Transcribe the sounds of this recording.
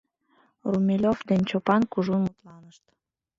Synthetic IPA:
rumʲelʲovd̪ent͡ɕopɑnkuʒunmut̪lɑnəʃt̪

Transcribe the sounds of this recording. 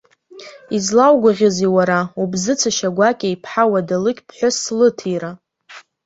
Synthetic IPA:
izlawɡʷaʁʲaziwaɾaubzɨt͡sʰɨʃaɡʷakʲʼajpʰħawadalɨkʲʼpʰħʷʊslɨtʰiɾa

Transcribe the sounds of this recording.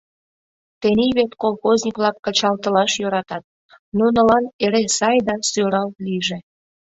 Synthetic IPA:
t̪eniβet̪kolxozʲnʲikβlɑkːət͡ɕɑlt̪əlɑʃjøɾɑt̪ɑt̪̚ | nunə̆lɑneɾesɑjd̪ɑsøɾɑlt̪liʒe

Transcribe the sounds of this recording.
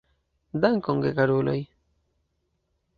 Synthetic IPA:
d̪aŋkoŋɡekaɾoːlo̰j

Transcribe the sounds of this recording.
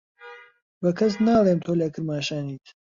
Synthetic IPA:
bɐkʰɐs̬naːlˠeːmt̪ʰoːleːkɨɾmaːʃaːniːt̪

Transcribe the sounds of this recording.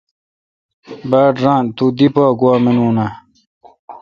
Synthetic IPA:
baːɖɾãːnt̪ud̪ipaːɡuwaːminuːna

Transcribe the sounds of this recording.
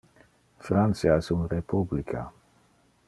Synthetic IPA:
fɾant̪sjaɛsunrepublikʰa̰

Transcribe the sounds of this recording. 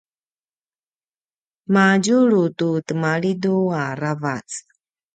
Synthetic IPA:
maɟuɾututəmaɭiduaɾavat͡s

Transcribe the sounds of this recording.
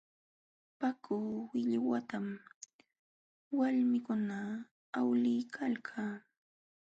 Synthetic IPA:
pakʊːwɪʎwat̪am | walmɪkʊnaː | wlɪjkʰalkʰaː

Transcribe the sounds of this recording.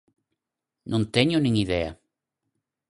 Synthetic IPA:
nʔõnt̪eɲʊnĩŋiðɛa̰

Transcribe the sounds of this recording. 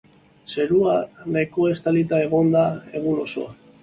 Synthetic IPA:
se̞ɾuaneko̞e̞st̪alit̪ae̞ɣ̞o̞nd̪ae̞ɣ̞uno̞so̞̰a

